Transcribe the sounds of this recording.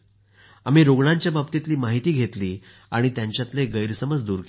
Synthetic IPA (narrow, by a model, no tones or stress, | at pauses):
a̰miːɾoɡɳaɲt͡ɕjababt̪it̪liːmaɦit̪iːɡʱet̪liː | aɽ̃it̪jãɲt͡ɕjat̪leɡəjɾsəməd͡zd̪uːɾk